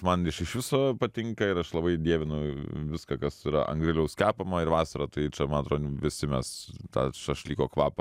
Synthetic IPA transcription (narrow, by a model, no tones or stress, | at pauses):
mɐnɪʃɪʃʋʲɪsoːpɐt̪ʲɪŋkɐɪɾɐʃlˠɐbɐɪd̪ʲiɛʋʲɪnʊʋʲɪskɐkɐsiɾɐ̰ʔɐ̰ŋɡɾʲɪlʲɛʊskʲæːpɐmɐɪɾʋɑːsɐɾɐt̪ɐɪt͡ʃʲɛmɐnɐt̪ɾoːd̪ʲʋʲɪsʲɪmʲɛst̪ɑ̰ːʃɐʃlʲiːkoːkʋɑːpɐ